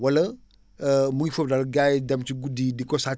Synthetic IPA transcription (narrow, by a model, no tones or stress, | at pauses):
wɐlɐ | muɡifəp̚dɐlɡajdɐmt͡ʃiɡudidikɔsa